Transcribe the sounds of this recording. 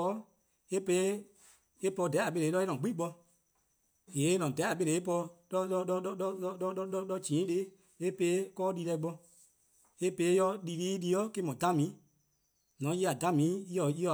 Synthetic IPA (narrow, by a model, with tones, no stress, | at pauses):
ɔ˦ | e˦pe˧˦ | e˦pɔ˧˨dɛ˨˦a˨ɓe˧le˨˦lɔ˦e˦nɔ̃˨ɡ͡bi˦k͡pɔ˧ | je˨˦nɔ̃˨dɛ˨˦a˨ɓe˧le˨e˦p̬ɔ˧lɔ˦lɔ˧ɔ˧ɔ˦ɔ˦ɔ˦ɔ˦ɔ˦ɔ˦lɔ˧d͡ʒĩː˨˦de˦ | e˦pe˧˦kɔː˦li˧lɛ˧i˦ɓɔ˧ | e˦pe˧˦jɔ˧li˨˧liː˦li˧˦ɔ˦ke˦mɔ̃˨dã˦mĩ˨˦ | nɔ̃˨˦i˦a˨dã˨˦mĩ˨˦i˦ɔ˨i˦ɔ˧˨